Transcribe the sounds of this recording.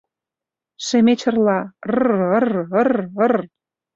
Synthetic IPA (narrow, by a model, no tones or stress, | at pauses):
ʃĕmet͡ɕə̆rlɑrrərərər